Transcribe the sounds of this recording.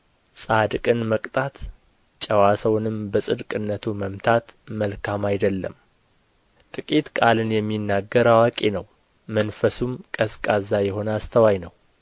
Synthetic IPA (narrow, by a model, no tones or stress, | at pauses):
sʼad̪kʼɨnməkʼt̪ʼat̪ | t͡ʃʼəwasəwnɨmbəsʼɨd̪kʼɨnːət̪ʰuməmt̪ʰat̪məlkʰamajd̪əlːə̰m | t̪ʼɨkʼit̪kʼalɨnjɛmːinːaɡːəɾawakʼenəw | mənfəsumkʼəskʼazajɛɦo̞nəast̪ʰəwajnəw